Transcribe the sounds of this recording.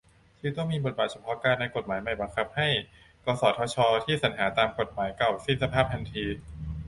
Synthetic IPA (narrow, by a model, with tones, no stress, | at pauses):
t̪ʰɯː˧˦t̪ɔ˥˩ŋmiː˧bo˨˩t̪̚baː˨˩t͡ɕʰa˧˥pʰɔ˦˥kaː˧nːa˧jko˨˩t̪̚maː˩˦jma˨˩jba˧ŋkʰa˧˥p̚ha˥˩j | kɔː˧˩sɔː˨˩t̪̚ʰɔː˦˥t͡ɕʰɔː˧t̪ʰiː˥˩sa˩˦nɦaː˩˦t̪aː˧mko˨˩t̪̚maː˩˦jka˨˩wsi˧˩nsa˧pʰaː˥˩p̪̚ʰa˧nt̪ʰiː˧